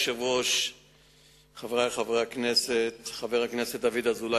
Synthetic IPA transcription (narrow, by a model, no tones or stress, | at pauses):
ʃevoʃ | χavʁajχavʁeakneset̪χaveʁakneset̚d̪avid̪azula